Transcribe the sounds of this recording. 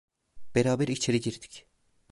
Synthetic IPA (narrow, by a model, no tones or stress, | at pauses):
b̥eɾaːbeɾit͡ʃʰeɾiɟiɾd̪̥i̥c